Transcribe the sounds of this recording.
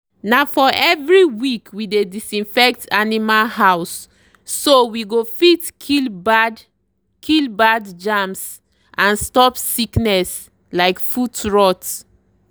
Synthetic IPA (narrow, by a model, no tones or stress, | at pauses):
nafɔʔɛvɹiwikwidedisĩnfɛk̚tʰanimalhaʊsː | owiɡofitkʰilbd | kʰilbadd͡ʒams | ʔãnstɔpsiknɛs | laɪkfutɹɔt